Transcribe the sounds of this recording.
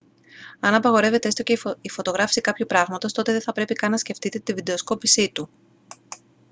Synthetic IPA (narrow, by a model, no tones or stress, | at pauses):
ɐnɐpɐɣo̞ɾe̞ve̞t̪ee̞st̪o̞ceifo̞t̪o̞ɣɾɐfsikɐpçupɾɐɣmɐt̪o̞st̪o̞t̪eðeθɐpɾe̞pikɐnːɐsce̞ft̪it̪e̞t̪ivid̪e̞osko̞pisit̪u